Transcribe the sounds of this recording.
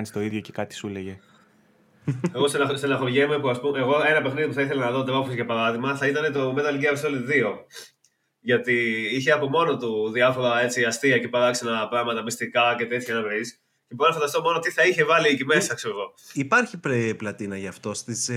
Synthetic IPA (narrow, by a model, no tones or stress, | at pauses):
nist̪o̞iðʝoce̥kɐt̪i̥suleʝe | eɣo̞senɐsenɐxoʝemɐpuɐspumeɣo̞e̞nɐpe̞xniðipuθɐiθelɐnɐðot̪̬evofsʝɐpɐɾɐðiɣmɐθɐit̪ɐne̞t̪o̞me̞t̪ɐliɡiɐpisolt̪ðio̞ | ʝɐt̪iiçe̞ɐpo̞mo̞no̞t̪uðiɐfo̞ɾɐe̞t͡siɐst̪iɐce̞pɐɾɐksɐnɐpɾɐɣmɐt̪ɐmist̪ikɐce̞t̪e̞t̪ʰçɐnɐvis | ceponɐfɐnd̪ɐst̪o̞mo̞no̞t̪iθɐiçe̞vɐliicime̞sɐkseɾoɣo̞ipɐɾçipɾeplɐt̪inɐʝɐft̪o̞st̪is